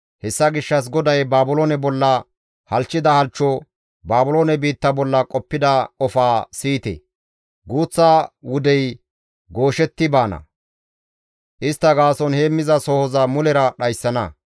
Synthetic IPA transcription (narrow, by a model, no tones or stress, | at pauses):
hɛsːɐɡɪʃːɐs̬ɡɔd̪ɐjbaːbʊloːnɛbɔlːɐ | hɐlt͡ʃːɪd̪ɐhɐlt͡ʃːɔ | baːbʊloːnɛbiːt̪ːɐbɔlːɐkʼɔpːɪd̪ɐɔfaːsiːt̪ɛ̰ | ɡuːt͡sːaːwʊd̪ɛj | ɡoːʃɛt̪ːɪbaːnɐ̰ | ʔɪst̪ːɐɡaːsɔnheːmːɪzɐsɔhɔzɐmʊlɛɾɐɗɐjsːɐnɐ